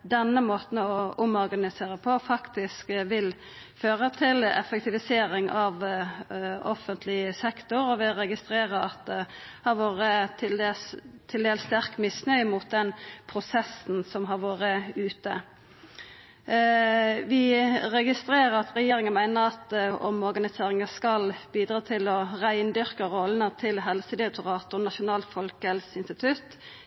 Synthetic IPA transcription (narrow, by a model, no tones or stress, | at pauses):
d̪ɛnːəmoːt̪n̩ɔʊmɔɾɡɑnɪseːʁəpʰɔfɑkt̪ɪskʋɪl | føːʁət̪ʰɪlɛ̰fək̚t̪ɪʋɪseːɾɪŋɑʋ | ɔfənt̪ʰlɪsɛkt̪ʊɾɔʋɪɾɛɡɪst̪ɾeːʁəɾɑt̪̚d̪ɛhɑɾʋoːɾət̪ʰɪld̪eːst̪ʰɪld̪eːlst̪æɾkmɪsnœʏmʊt̪̚d̪ɛnpʰɾʊsɛsn̩sɔmɦɑʁʋoːɾəʉːt̪ə | ʋɪʁɛɡɪst̪ɾeːʁəɾɑt̪ʁɛjeːɾɪŋənmæɪnəʁɑt̪ɔ̰mɔʁɡɑnɪseːʁɪŋəskɑlbiːd̪ʁɑːt̪ʰɪlɔʁæɪnd̪ʏʁkəʁɔlːənət̪ʰɪlɦɛlsəd̪ɪɾɛk̚t̪ʊʁɑːt̪ʊnɑʃʊnɑːlt̪fɔlkɛlsɪnst̪ɪt̪ʰʉt̪